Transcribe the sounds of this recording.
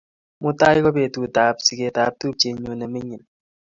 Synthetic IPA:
mʊ˦ta˦jkɔ˦be˨tu˨ta˨psi˨ke˨ta˨p̚tu˦p̚t͡ʃe˨ɲo˨nɛ˨me˦ɲi˨n

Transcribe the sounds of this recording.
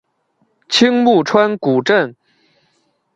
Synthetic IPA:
t͡ɕʰi˥ŋmu˥˩ʈ͡ʂʰwa˥nku˨˩ʈ͡ʂə˥˩n

